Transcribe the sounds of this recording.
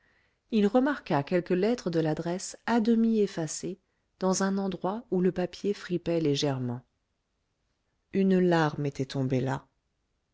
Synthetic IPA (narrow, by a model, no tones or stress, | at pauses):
ilʁəmaʁkakʲɛlkəlɛt̪χəd̪əlad̪ʁɛsad̪əmiefase | d̪̥ɑ̃zɛ̃nɑ̃d̪ʁwauləpapjefχipɛleʒɛʁmɑ̃ | ynlaʁmet̪ɛt̪ɔ̃bela